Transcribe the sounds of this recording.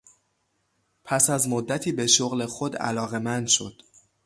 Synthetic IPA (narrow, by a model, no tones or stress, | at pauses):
pʰæsæzmod̪ːæt̪ʰiːbe̞ʃoɣle̞xod̪æ̰lɒːɣemænd̪ʃo̞̰d̪̥